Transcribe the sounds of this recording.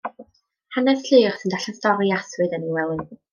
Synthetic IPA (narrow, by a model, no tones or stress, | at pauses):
hanɛsɬɨrsəndaɬɛstɔɾiaswɨðəniwɛlˠɪn